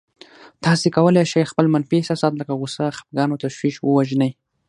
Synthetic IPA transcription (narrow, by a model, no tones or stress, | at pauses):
t̪ɑsekawəlajʃajxpəlmanfisɑsɑt̪ləkaɣusaxḁp̚ɡɑnot̪aʃwiʃwəwaʒnəj